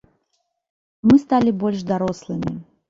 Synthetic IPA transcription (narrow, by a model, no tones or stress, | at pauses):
mɨst̪alʲibɔlʲʂd̪aɾɔslˠɨmʲḭ